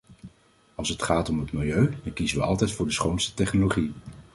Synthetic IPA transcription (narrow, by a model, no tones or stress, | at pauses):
ɑlˠsɦətχaːtɔmɦətmɪlˠjøɥdɑŋkizənʋəɑ̰lˠtɛjtfʊːɹdəsχownstə̥tɛχnoloχi